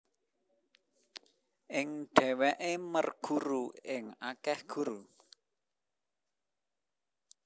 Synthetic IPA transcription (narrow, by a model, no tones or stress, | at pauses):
ʔɪŋɖ̥ɛ̤wɛʔemərɡ̥uɾuɪŋakɛhɡ̥uɾu